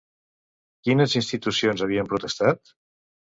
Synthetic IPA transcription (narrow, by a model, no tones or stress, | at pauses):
kinəzinst̪it̪usionzaβ̞iəmpɾut̪əst̪at̪